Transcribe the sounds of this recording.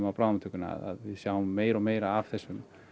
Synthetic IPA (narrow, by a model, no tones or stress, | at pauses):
mawpɾawnat̪ʰʏkʏna̰ða̰ðvɪðsjawmːeːjɾɔmeːjɾaavθɛsːʏm